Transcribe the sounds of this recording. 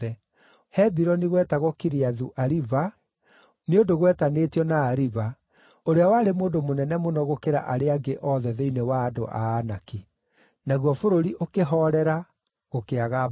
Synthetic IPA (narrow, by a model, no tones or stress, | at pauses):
ɛ | hɛbiɾɔniɣwɛtaɣokiɾiaðuʔaɾiva | neondoɣwɛtanetiɔnaːɾiva | oɾeawaɾemoːndomonɛnɛmonɔɣokeɾa̰ʔaɾeaɡeʔɔðɛðeinewaːdo̰ʔa̰ːnaki | naɣwɔfoɾoɾiʔokeɦɔɾɛɾa | ɣokeaɣa